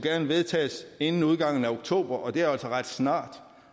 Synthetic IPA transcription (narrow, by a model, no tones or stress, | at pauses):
ɡ̥æɐnəʋe̝ð̞ˠt͡sʰɛ̰ːse̝nn̩uð̞ˠɡ̥ɑ̈ŋ̰n̩æo̝ɡ̥̚t͡sʰo̝̰ːb̥ɐʔɒ̽d̥e̝æɐæl̰sɒʁɑd̥snɑ̰̈ːd̥